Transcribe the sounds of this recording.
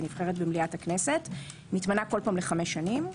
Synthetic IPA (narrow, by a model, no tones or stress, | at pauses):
nifχe̞ʁetbemliataknese̞t | nitmanako̞lpaːmle̞χameʃːanim